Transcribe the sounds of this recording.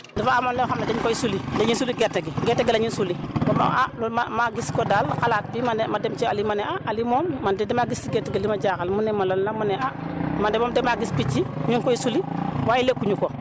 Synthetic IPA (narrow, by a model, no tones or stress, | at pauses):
difaamonlexamadeɲkojisulideɲinsuliɡeteɡiɡetːeɡelaɲinsuliboma̰a̰lomamaɡiskodalkalat̚bimanemademt͡ʃealimaneaʔalimomːandedemaɡisiɡeteɡelimad͡ʒakalmunemolanlamuneamademoːmdemaɡispit͡ʃːiɲunkojisuliwajilekuɲuko